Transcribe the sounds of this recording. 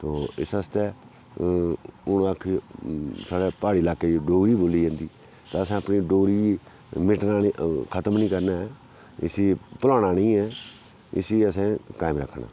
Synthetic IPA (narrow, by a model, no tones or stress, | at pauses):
t̪oːɪ̰səst̪eː | ʊnəkʰː | saːɽeːpaːɽiːlaːkeːɖoːɾiːboːlːiːãːnd̪iː | t̪aːəsɛ̃ːəpniːɖoːɾiː | mɪʈnaːkʰət̪əmnĩːkəɾnaːɛː | ɪ̰siːpʊlaːɽaːnĩːɛː | ɪ̰siːəsɛ̃ːkaːɪmɾəkʰːɳa̰ː